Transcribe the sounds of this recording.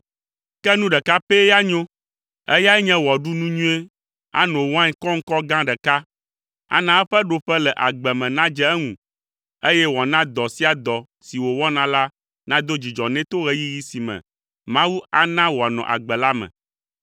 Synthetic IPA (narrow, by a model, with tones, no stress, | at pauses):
kɛ˦nũ˦ɖɛ˨ka˦pe˦ja˦ɲõ˦ | ɛ̰˦ja˦ɛ˦ɲɛ̃˦wɔ˨ɖu˦nũ˦ɲũ˦e˦ | a̰˦nõ˨wɔ˦ã˦ɲɛ˦kɔ˦ŋ̩˦kɔ˦ɡã˦ɖɛ˨ka˦ | a̰˨nã˦ɛ˦ɸɛ˦ɖo˨ɸɛ˦lɛ˨ʔa˨ɡ͡bɛ˨mɛ̃˨nã˦d͡ʒɛ˦ɛ˦ŋṵ̃˨ | e˦jɛ˦wɔ˨nã˦d̪ɔ˨si˦a˨d̪ɔ˨ | si˨wo˨wɔ˦nã˦la˦ | nã˦d̪o˦d͡ʑi˨d͡ʒɔ˨nɛ̃˦t̪o˦ɣɛ˦ji˦ji˦si˨mɛ̰̃˨ | mã˦wu˦a˨nã˦wo˨a˨nɔ̰̃˨ʔa̰˨ɡ͡bɛ˨la˦mɛ̰̃˨